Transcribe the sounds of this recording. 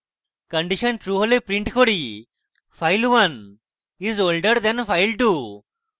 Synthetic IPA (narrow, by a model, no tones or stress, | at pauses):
kə̃ɳɖiɕənʈɾuɦəlepɾĩɳʈkʰoɽi | fajlʋɐn | izolɖəɾd̪ɛ̃nfajlʈu